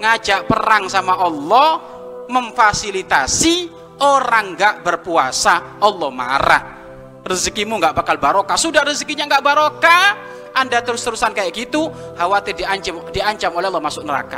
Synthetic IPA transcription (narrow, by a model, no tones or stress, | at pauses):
ŋad͡ʒaʔpəɾaŋsamaʔɔlːɔh | məmfasilit̪asi | oɾaŋɡaʔbərpua̰saʔɔlːɔhma̰ɾa̰h | rizkimuŋɡaʔbakalbaɾokasudahrizkiɲaŋɡaʔbaɾoka | ʔandat̪əɾʊst̪əɾusankajaʔkit̪uhawat̪ɪdiaɲt͡ʃdiaɲt͡ʃamolɛɔlːɔhmasʊk̚nəɾa̰ka̰